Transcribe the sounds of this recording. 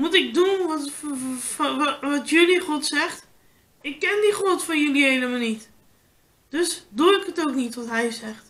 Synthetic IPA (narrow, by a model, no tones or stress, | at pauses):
mutɪk̚dunʋɔt | ʋɔtjøliχɔtsɛxt | ɪkːɛndiχotfɔnjəliɦejləmanit | d̥øsduɪkɦətowknitʋɔtɦɛjsɛxt